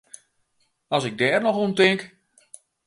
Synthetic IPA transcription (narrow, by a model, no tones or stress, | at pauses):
ɑsɪɡ̚dɛːrnɔxuntɪŋk